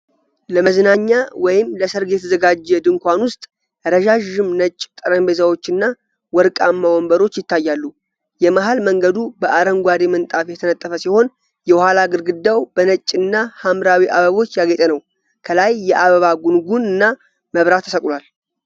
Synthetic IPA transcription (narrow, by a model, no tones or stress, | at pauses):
ləməznaɲːawɔjɪmləsəɾɡe̞t̪ʰzəɡad͡ʒːɛd̪ɨŋkʷanwʊst̪ʼ | ɾəʒaʒɨmnət͡ʃʼːt̪ʼəɾəmbe̞zawo̞t͡ʃːɨnːa | wɔɾkʼamːawɔmbəɾo̞t͡ʃːjɪt̪ʰːajːalːu | jɛmaɦalməŋɡəd̪ubəʔaɾəŋɡʷaɾemənt̪ʼafjɛt̪ʰənət̪ʼːəfəsiho̞n | jɛhalaɡɨɾɡɨd̪ːawbənət͡ʃʼːɨnːahamɾawiʔaβəβo̞t͡ʃːjaɡet̪ʼənəw | kʰəlajːɛʔaβəβaɡunɡunɨnːa | məβɾat̪ʰːəsəkʼlwal